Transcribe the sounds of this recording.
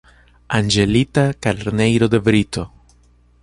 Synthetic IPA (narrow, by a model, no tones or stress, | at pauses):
and͡ʒe̞lit̪akaleɾnejɾod̪e̞vɾit̪o̞